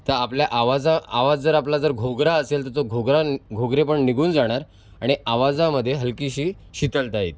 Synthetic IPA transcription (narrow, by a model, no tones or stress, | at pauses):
t̪əɾapljaʔaʋad͡zaaʋad͡zd͡zəɾaplad͡zəɾɡʱoɡɾaəselt̪əɾt̪oɡʱoɡɾaɡʱoɡɾepəɳniɡuːnd͡zaɽ̃aɾ | aɽ̃iʔaʋad͡zaməd̪ʱːjeɦəlkiɕiː | ɕit̪əlt̪aɦḭt̪̚